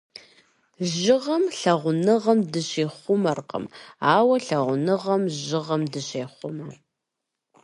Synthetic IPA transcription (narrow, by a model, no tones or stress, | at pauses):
ʑɪʁɐmɬɐʁʷʊnɨʁɐmdɨɕeːχʷʊmɐrqə̰maːwɐɬɐʁʷʊnɨʁɐmʑɪʁɐmdɨɕeːχʷʊmɐ